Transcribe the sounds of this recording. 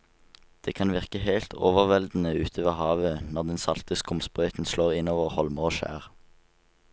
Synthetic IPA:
d̪̥eːkʰɑnʋɪʁkəheɪlt̪ʰo̰ːʋəʁʋɛld̪n̩əʉːt̪ʰoʋəʁhɑːʋənɔʁd̪ɛnsɑlt̪əskʊmspʁœʏt̪n̩sloːʁɪnoːʋəʁhɔlməʁoːʃæ̰ːʁ

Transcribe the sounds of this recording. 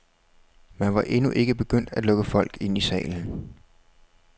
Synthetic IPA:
mænʋɑ̈ʔe̝nuʔe̝ɡ̥əb̥e̝ɡ̥øn̰d̥æd̥lɔ̽ɡ̥əfɒ̽l̰ɡ̥e̝n̰isɛ̰ːln̩

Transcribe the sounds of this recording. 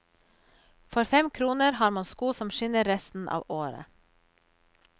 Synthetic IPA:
fɔɾfɛmkʰɾuːnəɾhɑːɾmɑnskuːsɔmʃʏnəɾɾɛst̪n̩ʔɑ̰ːʋoːɾə̰

